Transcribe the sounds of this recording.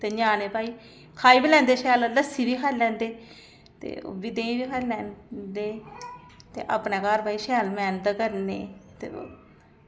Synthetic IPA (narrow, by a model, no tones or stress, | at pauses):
t̪eːɲãːneːpaːiː | kʰaːiːbilɛ̃ːnd̪eːʃɛːlləsiːʋiːkʰaːlɛ̃ːnd̪eː | t̪ḛːo̰ːbid̪ẽːĩːʋiːkʰaːilɛ̃ːnd̪eː | t̪ḛːʔa̰pnẽːkaːɾpaːiːʃɛːlmɛːnt̪əkəɾnḛːt̪ḛː